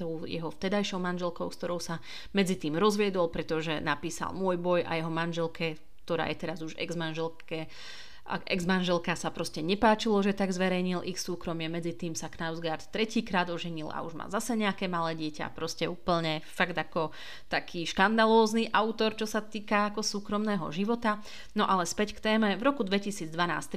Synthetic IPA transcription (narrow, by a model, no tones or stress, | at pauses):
t̪ɔʊjɛ̰ɦɔft̪ɛd̪ajʃɔʊmanʒɛlkɔʊskt̪ɔɾɔʊsa | mɛd͡zit̪iːmɾɔzʋɪɛd̪ɔlpɾɛt̪ɔʒɛnapiːsa̰lmʊɔjbɔja̰jɛɦɔmanʒɛlkʰɛ | kt̪ɔɾa̰ːjɛt̪ɛɾazuʒɛ̰ɡzmanʒɛlkɛ | a̰ʔɛ̰ɡzmanʒɛlkasapɾɔscɛɲɛpaːt͡ʃilɔʒɛt̪aɡzʋɛɾɛjɲilʔixsuːkɾɔmɪɛmɛd͡zit̪iːmsaknaʊzɡaːɾt̪ːɾɛciːkɾaːd̪ɔʒɛɲila̰uʒma̰zasɛɲɛakɛːmalɛːɟɪɛca̰pɾɔscɛuːpl̩ɲɛfaɡd̪akɔ | t̪akʰiːʃkand̪alɔːzniʔawt̪ɔɾt͡ʃɔsat̪iːkaakɔsuːkɾɔmnɛːɦɔ̰ʒiʋɔt̪a | nɔʔalɛspɛckt̪ɛːmɛvɾɔkud̪ʋɛcisiːd͡zd̪ʋana̰ːst̪